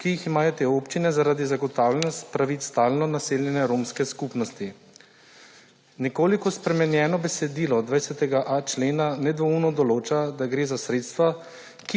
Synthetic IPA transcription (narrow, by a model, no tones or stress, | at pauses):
kijiximaːjɔt̪eːoːpt͡ʃinɛzaɾaːd̪izaɡɔt̪awlɛnɔst̪pɾaʋit̪st̪aːlnɔnaseːljɛnɛɾoːmskɛskupnɔst̪i | nɛkoːlikɔspɾɛmɛnjɛːnɔbɛsɛd̪iːlɔd̪ʋajsʲɛt̪ɛɡaʔat͡ʃleːnanɛd̪ʋɔunɔd̪ɔloːt͡ʃad̪aɡɾeːzasɾeːt̪st̪ʋa | ki